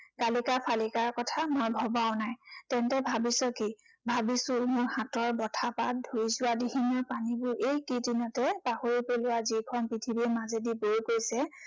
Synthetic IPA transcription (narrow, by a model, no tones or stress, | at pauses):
kalikapʰalikaɹkɔtʰamojbʱɔbaʊnajtɛntɛbʱabisɔki | bʱabisʊ̃mʊɹhãtɔɹbɔtʰapat̚dʱuɹizʊwadiɦinɔpanibʊɹʔejkidinɔtɛpahoɹipelʊwazikʰɔnpitʰibiɛmazediboɹkojsɛ